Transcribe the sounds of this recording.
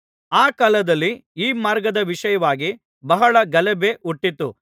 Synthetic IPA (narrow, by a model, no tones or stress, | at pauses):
aːkɐlɐd̪ɐlːiiːmaːɾɡɐd̪ɐʋiʂɐjɐʋaːɡi | bɐɦɐɭɐɡɐlɛbeʔuʈːit̪ːu